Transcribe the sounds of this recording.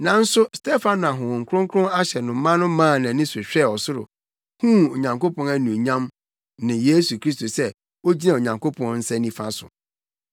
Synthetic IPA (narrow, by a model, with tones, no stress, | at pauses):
nã˨n̩˦sʊ˦stʰe˦fã˦n˨a˨ɦʊ̃˨wɔ̃˨ŋ̩˨kʰɾʊ̃˦ŋ˦kʰʊ̃˦a˦ɕɛ˨nʊ̃˨˦mã˦nʊ̃˦mãː˦˨nã˨˦nɪ̃˦sʊ˨ɕᶣɛ˦˨ɔ˨sʊ˦ɾʊ̰˨ | hũ˦o˨ɲã˨ŋko˦pʰɔ̃˨næ˦nũ˨ɲã˦m | nɪ̃˨je˦su˨kʰɾi˦sto˨sɛ˦ | o˦d͡ʑi˦nã˨o˨ɲã˨ŋkʰo˦pʰɔ̃˨n˦n̩˦sɛ˦nĩ˦fã˦sʊ̰˨